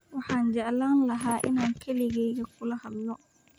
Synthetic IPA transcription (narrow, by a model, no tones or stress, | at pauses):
wahaɲd͡ʒalanlaɦaʔḭnankʰeliɡɛjɡakulahalːɔ